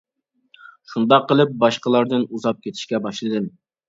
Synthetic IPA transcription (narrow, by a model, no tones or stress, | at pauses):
ʃund̪ɑqːəlˠɨp̚bɑʃqəlˠɑɾd̪ɨnuzɑp̚kʲʰet̪ʰɪ̥ʃkʲɛbɑʃlˠɨd̪ɨm